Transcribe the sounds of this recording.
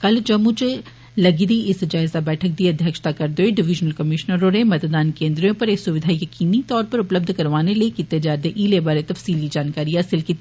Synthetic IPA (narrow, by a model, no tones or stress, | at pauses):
kɐld͡ʒɐmut͡ʃ | lɐɡid̪iɪsd͡ʒaːɪzabɛːʈʰək̚d̪iɐd̪ʱjəkʃə̥t̪akɐɾd̪oeɖɪʋɪʒnəlkɐmɪʃnəɾoɾẽmɐt̪d̪aːnkẽːnd̪ɾijõpɐɾeːsʊʋɪd̪ʱajɐkiːnit̪ɔːɾpɐɾʊpləb̚d̪ʱkɐɾʋaːneleikit̪ed͡ʒaːɾd̪eʔiːlebaːɾet̪ɐfsiːlkid͡ʒaːnkaːɾiaːsɪlki